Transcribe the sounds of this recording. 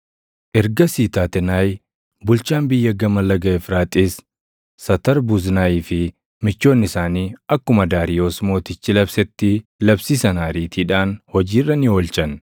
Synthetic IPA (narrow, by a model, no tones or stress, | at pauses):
ʔɛɾɡɐsiːt̪aːt̪ɛnaːj | bʊlt͡ʃaːnbɪjːɐɡɐmɐlːɐɡɐɛfɾaːt̪ʼɪsː | ɐt̪ɐɾbʊznaːjiːfɪ | mɪt͡ʃːo̞ːnːɪsaːniːɐkːʊmɐd̪aːɾɪjo̞ːsmo̞ːt̪ɪt͡ʃːɪlɐbsɛt̪ːɪlɐbsiːsɐnaːɾiːt̪ʰiːᶑaːnhɔd͡ʒiːrːɐnɪoːlt͡ʃɐn